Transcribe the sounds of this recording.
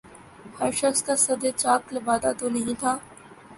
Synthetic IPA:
hɐɾʃɐxskaːsɐd̪et͡ʃaːklɐbaːd̪at̪oːnɐɦĩːt̪ʰaː

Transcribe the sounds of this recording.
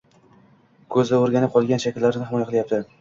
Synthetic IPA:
kʰɵzd̪ɪoɾɡʲanɪp̚qʰɒlˠɡʲanʃakʲɪlːaɾɪnɪɦɪmɒjaqʰɨlˠjap̚t̪ʰɪ

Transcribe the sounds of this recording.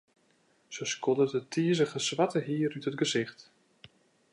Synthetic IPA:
səskʰɔdədətʰiəzəɣəsʋatəɦiəɾytətɡəzɪxt

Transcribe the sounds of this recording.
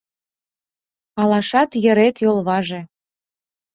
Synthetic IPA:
ɑlɑʃɑt̪jə̆ɾet̪jolˠβɑʒĕ

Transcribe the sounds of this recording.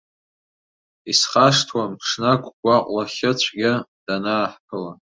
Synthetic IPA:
isχaʂtʰwampʰʂnakʷʰʼɡʷaqʷʼlaχʲɪt͡ɕʷʰɡʲad̥anaːħkʰɨla

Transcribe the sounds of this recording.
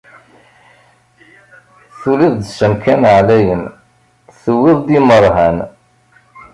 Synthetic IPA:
θuliðd̪səmkænʕlæjən | θəwːɪðˤd̪iməɾˤɦæn

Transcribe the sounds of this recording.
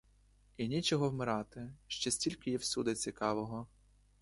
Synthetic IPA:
inʲit͡ʃɔɦɔwmɪɾɑt̪ɪʃt͡ʃɛsʲtʲilʲkɪjɛwsʲud̪ɐt͡sʲikɑʋɔɦɔ

